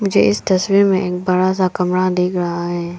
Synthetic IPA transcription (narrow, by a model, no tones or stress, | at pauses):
mʊd͡ʒʱeɪst̪ɐswiɾmẽeːk̚bɐɽasakɐmɾad̪eːkʰɾɐɦaɦɛː